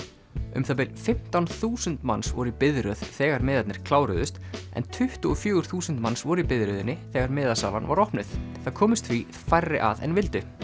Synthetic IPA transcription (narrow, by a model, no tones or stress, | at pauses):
ʏ̰mθap̬ɪlfɪm̥t̪awnθuːsʏnt̪mansvɔɾʏipɪðɾœð̥θɛːɣaɾmɛːðat̪nɪɾ̥kʰlaːwɾʏðʏst̪ʔɛ̰nt̪ʰʏht̪ʏɔfjœːɣʏɾ̥θuːsʏnt̪mansvɔɾʏipɪðɾœðɪnːɪθɛɣaɾmɪːðasa̰ːvanva̰ɾɔhpnɪðθakʰɔːmɪst̪θfvi | fajrːɪʔa̰ðɛ̰nvɪlt̪ʏ